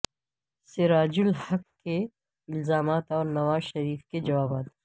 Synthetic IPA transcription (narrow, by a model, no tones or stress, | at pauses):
sɪɾaːd͡ʒʊlhɐkkːe | ɪlzaːmaːt̪ɔːɾnɐʋaːzʃɐɾiːfked͡ʒɐʋaːbaːt̪